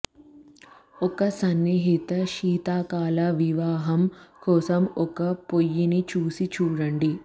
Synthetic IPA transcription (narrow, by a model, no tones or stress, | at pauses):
ɔkɐsɐnːiɦit̪ɐʃiːt̪aːkaːlɐʋiʋaːɦɐmkɔːsɐmɔkɐpojːinit͡ʃuːsit͡ʃuːɽɐɳɖi